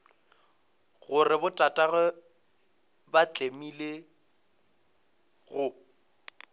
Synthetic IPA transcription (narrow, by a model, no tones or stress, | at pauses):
ɣʊrɪbʊtʼatʼaɣʊ | bat͡ɬʼemile | ɣʊ